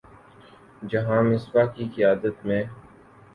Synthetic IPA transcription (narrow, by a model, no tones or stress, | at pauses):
d͡ʒɐɦãːmɪswakikɪjaːd̪ət̪mẽ